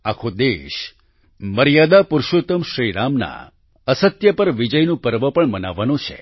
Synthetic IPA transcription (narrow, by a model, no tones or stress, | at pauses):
akʰod̪eʃ | məɾjad̪apuɾʃot̪əmʃɾiɾamna̰ | əsət̪jəpəɾʋid͡ʒəjnũpəɾʋəpəɳmənaʋːanũt͡ʃʰḛ